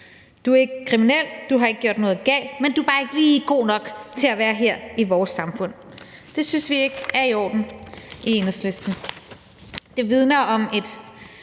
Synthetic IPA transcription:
d̥uæɐe̝ɡ̥əkʰʁiminel̰d̥uɦɑ̈e̝ɡ̥̚ɡ̥jo̝̰d̥nɔ̽ːð̞̩ˠɡ̥ɛ̰ːld̥mend̥ubɑ̈ːe̝ɡ̥əliːɡ̥o̝̰ːnɒ̽ɡ̥t͡sʰe̝æʋæːɐɦeɐ̰iʋɒːsːɑ̈mfɔ̽n̰ | d̥e̝synsʋie̝ɡ̥æɐiɒ̰ːd̥n̩ien̩sle̝sd̥n̩ | d̥eʋið̞ˠnɐʔɒ̽me̝d̥

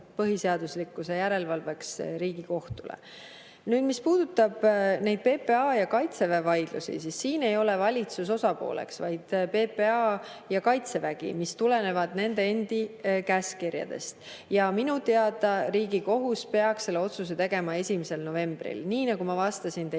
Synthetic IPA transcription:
pɤɦise̞ɑd̪̥uslikːˑuse̞jæɾe̞lvɑlve̞ksɾiːɡ̥iko̞ht̪ulḛ | nyːd̪̥mispuːd̪̥ut̪ːˑɑb̥ne̞jd̪̥̚pe̞ːpe̞ɑjɑkɑjt̪se̞vevɑjd̪̥lṵsḭsisːiːne̞jo̞le̞vɑlʲit̪sus̬o̞sɑpo̞̰ːlḛksvɑjd̪̥pe̞peɑ | jɑkɑjt̪se̞væɡ̥ḭmist̪ule̞ne̞vɑd̪̥ne̞nd̪e̞end̪̥ikæskirjɑ̰d̪̥e̞̰st̪ | jɑminut̪e̞ɑd̪̥ɑɾiːɡiko̞ɦuspe̞ɑksːe̞lːe̞o̞t̪sus̬e̞t̪e̞ɡ̥e̞mɑe̞sʲimise̞lno̞ve̞mb̥rḭlniːnɑɡumɑvɑst̪ɑsint̪e

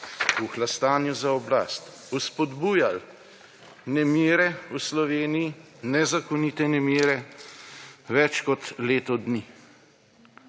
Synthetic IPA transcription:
uxlast̪aːnjuzaɔbla̰ːst̪ | uspɔd̪buːjal | nɛmiːɾɛuslɔʋeːniji | nɛzakɔniːt̪ɛnɛmiːɾɛ | ʋɛt͡ʃkɔt̪leːt̪ɔd̪ni

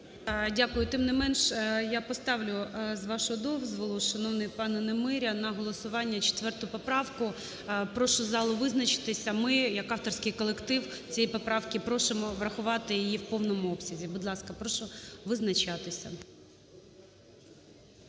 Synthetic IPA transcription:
dʲakʊjʊt̪ɪmnɪmɛnʃjapɔst̪ɑʋlʲʊzʋɑʃʊɔd̪ɔwzʋɔlˠʊʃɐnɔwnɪjpɑnɛnemɪɾʲɐnɐɦɔlˠɔsʊʋɑnʲːɐt͡ʃe̥t̪ʋɛrt̪ʊpɔpɾɑwkʊ | pɾɔʃʊzɑlˠʊʋɪznɐt͡ʃɪ̥t̪ɪsʲɐmɪjɐkɑft̪ɔrsʲkɪjkɔlˠekt̪ɪwt͡sʲijipɔpɾɑwkɪpɾɔʃemɔʋɾɐxʊʋɑt̪ɪjijiwpɔwnɔmʊɔpsʲɐzʲibʊd̪lˠɑskɐpɾɔʃʊʋɪznɐt͡ʃɑt̪ɪsʲɐ̰

